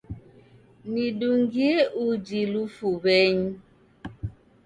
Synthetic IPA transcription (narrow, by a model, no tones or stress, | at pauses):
niduŋɡiud͡ʒilufubɛɲ